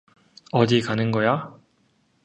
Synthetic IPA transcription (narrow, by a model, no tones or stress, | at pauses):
ʌd͡ʑikanɯnɡʌja